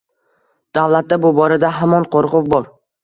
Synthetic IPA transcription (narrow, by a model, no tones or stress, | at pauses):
d̪̥avlat̪̚d̪abʊbɒɾad̪aɦamɒnqʰoɾqʊfbɒɾ